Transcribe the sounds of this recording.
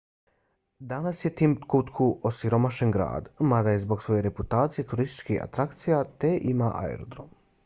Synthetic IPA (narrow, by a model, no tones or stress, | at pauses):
d̪anasje̞t̪iːmt̪kut̪kʰuʔosiɾo̞maʃe̞nɡɾa̰ːd̪mad̪ajezbo̞ɡsʋo̞je̞ɾe̞put̪aːt̪sije̞t̪uɾist̪i̥t͡ʃkixa̰t̪ɾakt̪sijat̪eʔimaʔa̰ḛɾod̪ɾo̞̰m